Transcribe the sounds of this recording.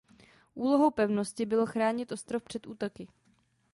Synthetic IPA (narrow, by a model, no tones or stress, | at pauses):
ʔuːlo̞ɦowpɛvnoscɪbɪloxɾaːɲɪt̪ʔo̞st̪ɾofpr̝̥ɛt̪ʔuːt̪o̞kɪ